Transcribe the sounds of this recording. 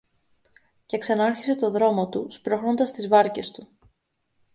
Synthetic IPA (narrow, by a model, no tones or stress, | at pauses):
ce̞ksɐnɐɐɾçise̞t̪o̞ðɾo̞mo̞t̪uspɾo̞xɾo̞nd̪ɐst̪izvɐɾce̞st̪u